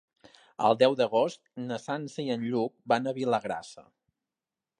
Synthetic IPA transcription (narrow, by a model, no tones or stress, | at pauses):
ə̰lˠd̪ɛwd̪əɣost̪̚nəsansəiənʎuk̚banəβiləɣɾa̰sə̰